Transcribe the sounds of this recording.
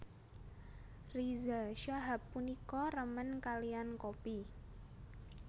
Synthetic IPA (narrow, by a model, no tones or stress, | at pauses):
rizaʃaɦapːunikɔrəmənkaliankopi